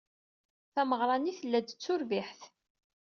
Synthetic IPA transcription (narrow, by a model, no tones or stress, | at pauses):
θæməʁɾˤɑniθəlːæd̪ət͡sːʊɾviħθ